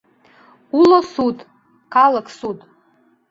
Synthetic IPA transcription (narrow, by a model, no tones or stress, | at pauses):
ulosutʼ | kʰalaksut̪ʼ